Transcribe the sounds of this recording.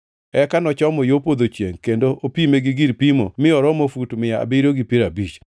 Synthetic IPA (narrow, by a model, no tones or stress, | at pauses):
ɛkanɔt͡ʃɔmɔjopod̪ot͡ʃjḛŋkendoʔopimeɡɪɡiɾpimo̰mɪɔɾɔmofutmɪjaa̰biɾoɡipiɾabit͡ʃ